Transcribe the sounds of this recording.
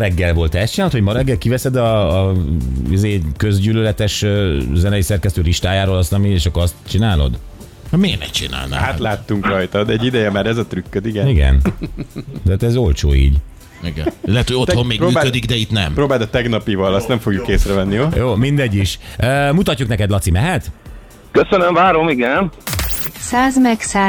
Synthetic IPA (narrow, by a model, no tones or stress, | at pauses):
ɾɛɡːɛlvo̞lt̪ɛɛst̪t͡ʃinalot̪homɒɾɛɡːɛlkivɛsɛd̪ɒː | izeːkøzɟylølɛt̪ɛʃøːzɛnɛjisɛrkɛst̪øːliʃt̪aːjaːɾolɒst̪ɒmieːʃɒkːoɾɒst̪t͡ʃinaːlo̞̰d̪ | hmeːrnɛ̰t͡ʃḭna̰ːlna̰ːaːlaːt̪ːuŋkrɒjt̪ɒd̪ɛɛɟːid̪ɛjɛmaːɾɛzɒt̪ɾykːød̪iɡɛiɡɛ̰n | t̪at̪ɛzo̞lt͡ʃo̰ːḭːɟ | iɡɛ̰nilɛt̪hoɟot̪ho̞mːeːɡpɾoyːakkød̪iɡd̪ɛit̪nɛ̰mpɾoːbaːd̪ɒt̪ɛɡnɒpivɒlɒst̪nɛɱfo̞ɡjukːeːsrɛvɛnːijojoːmind̪ɛɟːiʃøːmut̪ɒcːuknɛkɛd̪lɒt̪simɛɦɛt̪ | køsønøɱvaːɾo̞miɡɛn | saːzmɛksaː